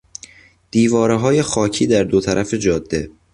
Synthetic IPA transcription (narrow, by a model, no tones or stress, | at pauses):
d̪̥iːvɒːɾeɦɒːje̞xɒːcʰiːd̪æɾd̪ot̪ʰæɾʔæfe̞d͡ʒɒːd̪ːe̞